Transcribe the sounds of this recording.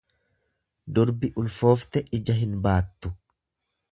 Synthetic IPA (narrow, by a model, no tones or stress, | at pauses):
d̪ʊɾbɪʔʊlfo̞ːft̪ɛʔɪd͡ʒɐɦɪnbaːt̪ːʊ